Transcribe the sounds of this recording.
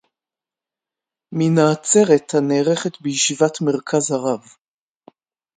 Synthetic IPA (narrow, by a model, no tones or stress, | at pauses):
minaːt͡se̞ʁethaneːʁeχet̪bejiʃivatme̞ʁkʰazaʁav